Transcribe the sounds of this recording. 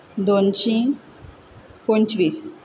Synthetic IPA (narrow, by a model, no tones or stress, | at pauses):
d̪ont͡ɕĩ | kont͡ɕʋiːs